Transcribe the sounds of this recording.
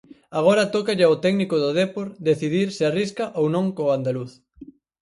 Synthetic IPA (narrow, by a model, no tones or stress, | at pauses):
aɣ̞oɾɐt̪ɔkaʎɪaot̪ɛɡnikʊðʊðepoɾd̪eθiðiɾsɪariskɐʔownõŋkoand̪aluθ